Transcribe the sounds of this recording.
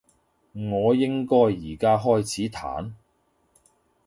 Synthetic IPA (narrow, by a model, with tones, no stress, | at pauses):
ŋɔː˨˧jɪ˥ŋkɔː˥jːiː˨˩kaː˥ɦɔː˥jt͡sʰiː˨˥t̪ʰa̰ː˨˥n